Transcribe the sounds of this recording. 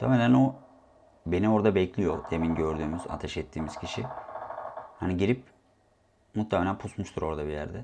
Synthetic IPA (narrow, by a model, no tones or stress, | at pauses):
t̪ʰa̰melʲæno | be̞nio̞ɾd̪abɛclʲijo̞̰d̪̥eminɟø̞ɾd̪yːmyza̰t̪ʰɛʃɛt̪ʰːiːmiz̥cʰiʃi | haniɟiɾip̚ | mut̪ʰːemelʲænpʰusmuʃt̪ʰuɾo̞ɾd̪abijæ̰ɾd̪ɛ